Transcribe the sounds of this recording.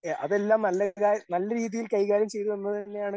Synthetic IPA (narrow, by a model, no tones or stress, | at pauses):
eʔɐðe̞lːaːmnɐlːɐkaːnɐlːɐɾiːðijilkɐjɣaːɾjɐmt͡ɕe̞jt̪uenːɐðɨt̪ɐnːe̞jaːɳɨ